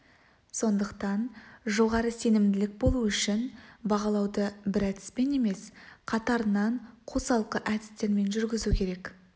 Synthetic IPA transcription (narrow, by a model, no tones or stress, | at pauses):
so̞nd̪əqt̪ɑnʒo̞ʁɑɾəse̞nɪmd̪ɪlɪk̚bo̞lˠuʏʃɪnbɑʁɑlˠɑwd̪əbɪɾæt̪ɪ̥spe̞ne̞me̞sqʰɑt̪ɑɾənɑɴqʰosɑlˠqəʔæt̪ɪ̥st̪e̞ɾme̞nʒʏɾɡʲɪzukʲʰe̞ɾe̞k